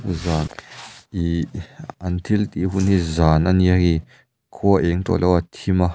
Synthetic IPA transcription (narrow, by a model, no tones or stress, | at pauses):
zaːniɐnt̪ʰilt̪iɦunɦizaːnʔaniahi | kʰuɐʔɛŋt̪ɔ̰lʔɛwat̪ʰima